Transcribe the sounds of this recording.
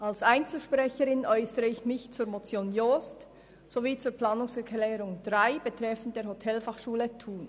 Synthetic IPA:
ʔalsʔaɪnt͡sl̩ʃpʁɛçəɾɪnʔɔʏsəɾəɪçmɪçt͡suːɾmot͡sjoːnjost | soviːt͡suːɐplaːnʊŋsɛɹkʰlɛːɾʊŋd̥ʁaɪb̥ətʁɛfn̩td̥eːɐhotʰɛlfɑχʃuːlətʰuːn

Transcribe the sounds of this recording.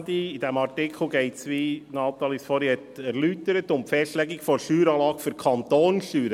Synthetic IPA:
diid̥ɛmɑrtɪkʰl̩ˠɡɛɪtsʋinɑːt̪ɑlisfɔɾihɛtɛɾlytəɾətʊmpfɛstlɛɡikfɔɾʃyːɾɑːlɑːkfyɾkʰɑnt̪oːnʃyːɾə

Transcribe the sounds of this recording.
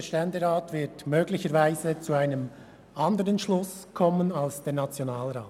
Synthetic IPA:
əʃtɛndəʁaːtvɪtmøːɡlɪçəɾvaɪzət͡suaɪnəm | ɑndəɾənʃlʊskʰɔmənɑlsd̥eːnɑt͡sjonaːlɾaːt

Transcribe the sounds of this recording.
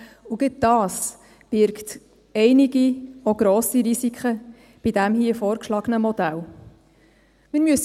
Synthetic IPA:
uɡɪt̚dɑːs | b̥ɪɾkt | ɛɪniɡioɡ̥ɾɔːsiɾisikʰχə | b̥idæmɦiəfɔːɾkʃlɑɡənəmɔd̥̪æl | mɪːɾmyəs

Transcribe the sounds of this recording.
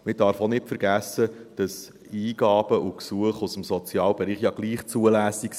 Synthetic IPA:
mɪd̥ɑɾfɔnɪpfəɾɡæsəd̥ɑs | iːɡ̥ɑːb̥əʔuksuəχusəmsɔt͡sjɑːlbeɾiːχjɑɡ̥liːχt͡suəlæːsiks

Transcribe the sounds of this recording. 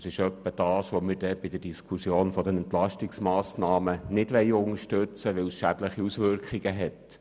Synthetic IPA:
sɪʃœpːəd̥ɑːsʋomɪɾd̥ɛb̥ɪd̥̪əd̥iskʰusjoːnfɔd̪ɛnɛnt̪lɑʃtɪksmɑːsnɑːmənɪdʋɛɪʊŋəʃtøt͡səʋɪlsʃæd̥ləχiusʋʏɾkχiɡ̥əɦɛt

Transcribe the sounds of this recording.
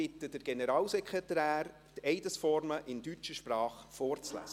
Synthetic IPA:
ɪt̪ːəd̥əɾɡ̥enəɾɑːlsɛkχʁet̪æːɾ | tɛɪdəsfɔɾməʔɪndyt͡ʃəʃprɑːχfɔːɾt͡slæ̰ːs

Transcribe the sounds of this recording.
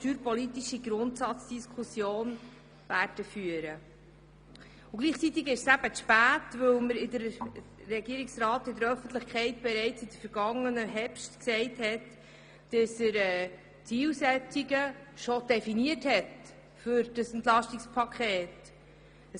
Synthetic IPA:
tyːɾpɔlit̪iʃiɡɾʊntsɑt͡sd̥iskʰusjoːn | væɾd̥əfyəɾə | ʊɡ̥liːχt͡sit̪ɪɡɪʃsæb̥əʃpæːtvɵwməɾɪdəɾrɛɡiəɾɪksɾɑːtɪdəɾœfənt̪ləχkχɛɪtb̥ɛɾɛɪt͡sɪd̥əɾfəɾɡ̥ɑŋːənəɦɛpʃtksɛɪthɛt | d̥əsəɾɛ | t͡siːlsɛt͡siɡəʃɔd̥ɛfiniəthɛt | fʏɾd̥əsɛntlɑʃtikspʰɑkχeːt

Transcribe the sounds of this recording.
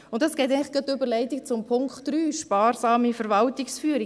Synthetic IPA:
ʊntdɑsɡ̥ɛɪt̪̬ɛɪŋlɪχxɡ̥ətːøbəɾlɛɪtɪk̚t͡sʊmpʰʊŋkχtɾyːʃpɑːɾsɑːmifəɾvɑltiksfyəɾi

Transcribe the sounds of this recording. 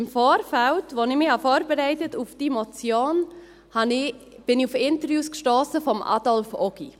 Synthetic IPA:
ɪmfoːɾfaltʋonɪmɪhɑfoːɾbəɾæɪtətufd̥imɔt͡sjoːn | hɑnɪ | b̥ɪniufɪntəɾjuːskʃtoːsəfɔmʔɑ̰dɔlfɔɡ̥i

